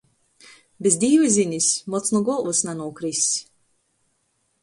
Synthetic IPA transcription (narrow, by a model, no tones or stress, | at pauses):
bʲezd̪ʲiːvɨzʲinʲisʲmɔt̪snɔɡɔlˠvɨsnanuɔkɾis